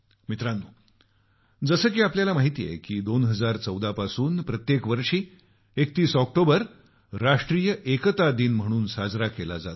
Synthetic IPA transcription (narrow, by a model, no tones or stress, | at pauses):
mit̪ɾanːuː | d͡zəsəːkiːapljalamaɦit̪iːjḛkiːd̪onɦəd͡zaɾt͡səwd̪ʱapasuːnpɾət̪jekʋəɾʂiː | ek̚t̪iːsɔk̚ʈobəɾ | ɾaʂʈɾiːjəʔekət̪ad̪iːnm̤əɽ̃uːnsad͡zɾakela̰d͡zat̪